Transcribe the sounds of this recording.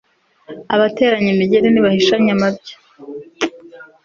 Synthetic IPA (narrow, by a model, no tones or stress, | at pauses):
aβate̞ːɾaɲimiɟe̞ɾeniβahiʃaɲamabɟḁ